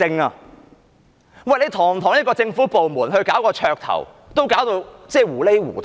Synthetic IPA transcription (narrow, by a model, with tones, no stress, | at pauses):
ɪ˧ŋɐ˧ | wɐ˨˩jle˨˧jt̪ʰɔː˨˩ŋt̪ʰɔː˨˩jɐ˥t̚kɔː˧t͡sɪ˧ŋfuː˨˥po˨wmuː˨˩nhɵ˧ɥkaː˨˥wkɔː˧t͡ʃʰœː˧k̚t̪ʰɐ̰˨˩w | t̪o˥wkaː˨˥wt̪o˧wt͡sɛː˥˧wuː˨˩le˥jwṵː˨˩t̪ʰ